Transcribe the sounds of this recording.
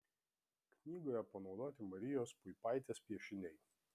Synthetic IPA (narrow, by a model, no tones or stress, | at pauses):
knʲiːɡojɛpɐnɒʊd̪oːt̪ʲɪmɐɾʲɪjoːspʊɪpɑɪt̪ʲeːspʲiɛʃʲɪnʲɛɪ